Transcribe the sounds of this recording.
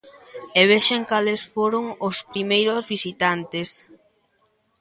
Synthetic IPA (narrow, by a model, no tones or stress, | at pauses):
eβ̞eʃeŋkalesfoɾoŋospɾimejɾozβisit̪ant̪es